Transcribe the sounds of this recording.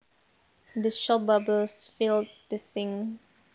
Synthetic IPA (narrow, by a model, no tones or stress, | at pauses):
dəʃɔbablsfild̚dəsɪ̃ŋ